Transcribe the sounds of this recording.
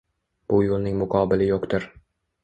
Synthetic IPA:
b̥ʊjolˠnɪŋmʊqʰɒːbɪlɪjoqt̪ʊɾ

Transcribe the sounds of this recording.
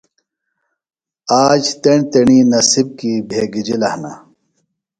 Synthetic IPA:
aːd͡ʑt̪eɳt̪eɳiːnɐsib̚kibʱeːɡid͡ʑilɐhna̰

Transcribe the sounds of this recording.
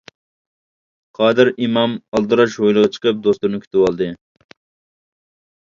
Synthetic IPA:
qʰɑːd̪ɪɾimɑmɑlˠd̪ɨɾɑʃhojlˠəʁɑt͡ʃʰə̥qəp̚d̪ost̪uɾnɪkʰʲy̥t̪ɪwɑlˠd̪ɨ

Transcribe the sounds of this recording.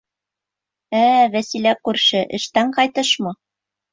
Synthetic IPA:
ævæsilækʉɾʃɘʔɘ̆ʃt̪æɴqɑjt̪ɤʃmɤ

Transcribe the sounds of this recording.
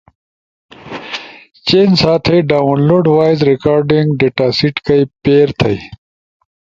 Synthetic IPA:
t͡ɕeːnsaːt̪ʰɐjɖaːwunloːɖwaːjzɾikaːɾɖiŋɡɖeʈaːsiʈkɐipeːɾt̪ʰɐ̰j

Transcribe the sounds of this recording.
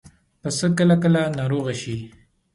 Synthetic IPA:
pəsəkəlakəlanɑɾoɣaʃi

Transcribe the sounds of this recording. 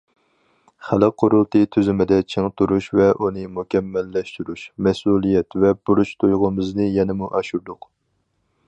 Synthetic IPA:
χælɨqʰːoɾulˠt̪ʰɨt̪ʰyzɪmɪd̪ɛt͡ʃʰeŋt̪ʰuɾuʃvɛʔunɨmukʲʰɛmːɛlːɛʃt̪uɾuʃmɛsulˠijɛt̪vɛb̥uɾut͡ʃt̪ʰujʁʊmɨznɨjɛnɪmuʔɑʃuɾd̪ʊq

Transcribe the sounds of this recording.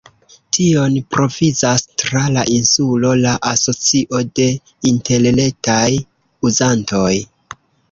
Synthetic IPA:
tio̞npɾo̞vizastɾalaʔinsulo̞laʔaso̞t͡siʔo̞de̞ | inte̞lle̞k̚taj | uzanto̞j

